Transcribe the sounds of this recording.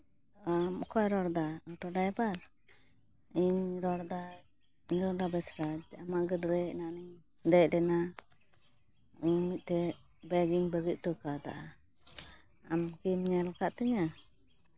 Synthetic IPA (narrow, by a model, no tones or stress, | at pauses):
amɔkʰɔjɾɔɽd̪aɔʈɔɖajbaɾ | iɲɾɔɽd̪a | iɲɾɔɾd̪abɛsɾad͡ʒamaʔɡədɾɛnaʔniɲ | d̪ɛc̚lɛna | iɲmit̪̚ˀtɛ | bɛɡiŋbəɡit̪̚ˀʈɔkad̪a̰ʔa | amkimɲalkaʔt̪ɛɲa